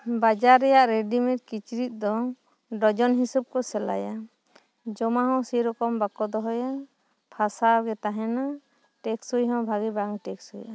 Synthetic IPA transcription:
bad͡ʒaɾɛjaʔɾɛɖimɛʈ̚kit͡ʃɾit̪̚ˀd̪ɔ | ɖɔd͡ʒɔnɦisub̚kɔsɛla̰ja | d͡ʒɔmaɦɔ̃siɾɔkɔmbakɔd̪ɔɦɔja | pʰasaɡɛt̪aɦɛna | ʈɛksujɦɔ̃bʱaɡibaŋʈɛksuja

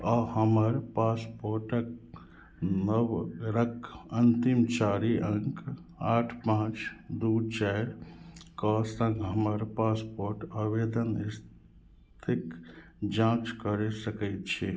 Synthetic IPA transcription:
ahəməɾpaspoɾʈək̚ | nəwɾəkʰənt̪imt͡ʃaɾiʔəŋkaʈʰpãt͡ʃd̪ut͡ʃɛɾkɔsə̃ŋɡɦəməɾpaspoɾʈaʋed̪ənis | t̪ʰik | d͡ʒãt͡ʃkəɾesəkɛɪt̪̚t͡ʃʰi

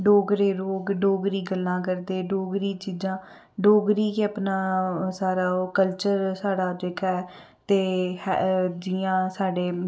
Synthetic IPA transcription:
ɖoːɡɾeːɾoːɡɖoːɡɾiːɡəlːãːk̬əɾd̪eːɖoːɡɾiːt͡ʃiːd͡ʒãː | ɖoːɡɾiːkeəpnaːsaːɾaːkəlt͡ʃəɾsaːɽaːd͡ʒeːkaɛː | t̪eːhɛd͡ʒɪjãːsaːɖeː

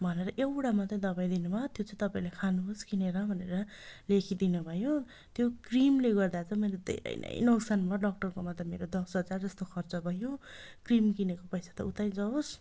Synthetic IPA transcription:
bʱʌneɾʌʔewʈamat͡s̪j̃d̪ʌbaj̃d̪inubʱʌt̪jot͡saĩt̪ʌpaĩlekʰanuɦoskineɾʌbʱʌneɾʌ | lekʰid̪inubʱʌjo | t̪jokrimleɡʌrd̪at͡sʰʌ̃mʌjled̪ʱḛɾʌ̰jnʔʌ̰jnʌwsanbʱaɖʌkʈʌrkomat̪ʌmeɾod̪ʌsbʌt͡sard͡zʌst̪okʰʌrt͡sʌbʱʌjokrimkinekopʌjsʰḁt̪ʌut̪aj̃d͡zʌos

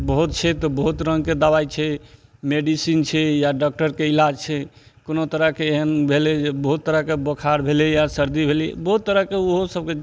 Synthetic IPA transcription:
bəɦut̪̚t͡ʃʰɛt̪ɔbəɦut̪ɾəŋɡked̪abajt͡ʃʰɛ | meɖisint͡ʃʰɛjaɖɔk̚ʈəɾkeilad͡ʒt͡ʃʰɛ | konot̪əɾəkeːɦənbʱeled͡ʒebəɦut̪ːəɾəkebəkʰaɾbʱelijasəɾd̪ibʱeliɛ̰bəɦut̪ːəɾəkeoɦosəb̚ke

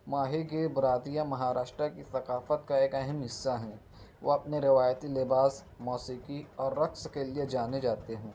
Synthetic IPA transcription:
maːɦiɡebʊɾaːd̪ijamɐɦaːɾaːʃʈɾakiθɐqaːfət̪kaeːkɐɦɛmɦɪsːaɦɛ̃ː | ʋoɐpneɾɪʋaːjət̪ilɪbaːs | mɔːsiːkiɔːɾːɐkskelied͡ʒaːned͡ʒaːt̪eɦũː

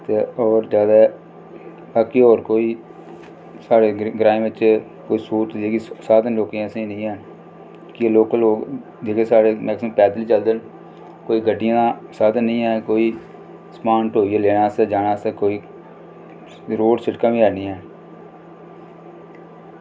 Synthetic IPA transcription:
t̪eːɔːɾzjaːd̪aː | baːkiɔːɾkoːiː | saːɽeːɡɾaːẽmɪt͡ʃ | koːiːsuːt̪eːɡisaːt̪nloːkiãːsẽnəĩːɛː | kɪloːkloːɡ | d͡ʒeːkʰeːsaːɽeːmɛːkspɛːd̪liːt͡ʃəld̪ən | koːiːɡəɖːɪjãːasaːt̪nəĩːɦɛːkoːiː | spãːɳʈɦoːieːleːnaːsɛːd͡ʒaːnaːsɛːkoːiː | ɾoːɖsɪʈkãːbĩːɛːniːɛː

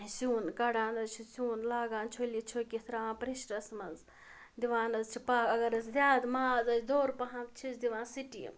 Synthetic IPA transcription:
suːnkɐɽaːnɐzt͡ʃʰisuːnlaːɡaːnt͡ʃʰolit͡ʃʰokit̪ʰɾaãːpɾiʃʈɐsmɐnz | d̪iʋaːnɐzt͡ʃʰipaːkɐɡɐɾɐszʲjaːd̪maːzɐt͡ʃʰd̪oːɾpɐɦãmt͡ʃʰisd̪iʋãːnsiʈḭm

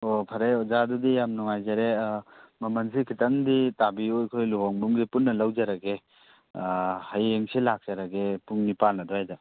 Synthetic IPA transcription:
opʰɐɾejɔzadudijamnuŋajzaɾemɐmɐnsikʰitɐŋditabiojkʰojluɦɔŋbumɡipunːɐlɐwd͡ʒaɾaɡe | hɐjeŋsilak̚z̥aɾaɡepuŋnipalnɐdɔhajda

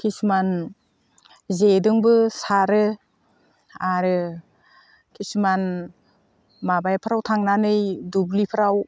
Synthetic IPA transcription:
kʰisman | zedɯŋbɯsaɾɯ | aɾɯ | kʰisman | mabajpʰɯɾawtʰaŋnanɯjdublipʰɯɾaw

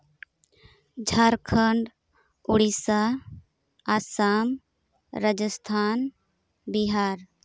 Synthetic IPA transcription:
d͡ʒʱaɾkʰəɳɖ | uɽisaː | sam | ɾad͡ʒəst̪ʰan | biɦaːɾ

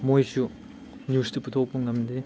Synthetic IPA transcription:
mojsu | njustɐput̪ʰok̚puŋnɐmdi

